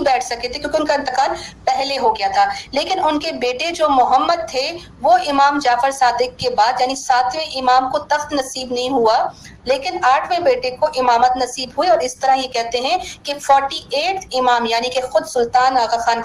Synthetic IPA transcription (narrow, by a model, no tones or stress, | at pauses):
bɛːʈʰsɐket̪ʰekjõːkeɪʊnkaɪnt̪ɪqaːlpɛɦleɦoɡɐjat̪ʰaːleːkɪnʊnkebeːʈed͡ʒoːmʊɦəmːəd̪̚t̪ʰe | ʋoɪmaːmd͡ʒaːfɪɾsaːd̪ɪkːebaːd̪jaːnisaːt̪ʰmẽʔɪmaːmkot̪ɐxt̪nɐsiːbnɐɦĩɦua | leːkɪnaːʈʰmẽbeːʈekoʔɪmaːmət̪nɐsiːbɦueɔːɾɪst̪ɐɾajekɛɦt̪eɦɛ̃kefɔːɾʈieːʈɪmaːmjaːnikexʊd̪sʊlt̪aːnaːɣaxaːn